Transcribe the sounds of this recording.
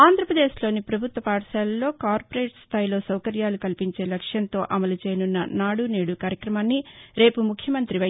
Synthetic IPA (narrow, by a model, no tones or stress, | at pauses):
aːnd̪ʱɾɐpɾɐd̪e̞ːʃlo̞ːnipɾɐbʱut̪ʋɐpaːʈɐʃaːlɐlːo̞ːkaːɾpoɾe̞ːʈst̪ʰaːjlo̞ːsɐwkɐɾjaːlukɐlipiɲt͡ʃe̞ːlɐkʂjɐnt̪o̞ːʔɐmɐlut͡ʃeːjɐnunːɐnaːɽuneːɽukaːɾjɐkɾɐmaːnːiɾe̞ːpumukʰjɐmɐnt̪ɾiʋɐ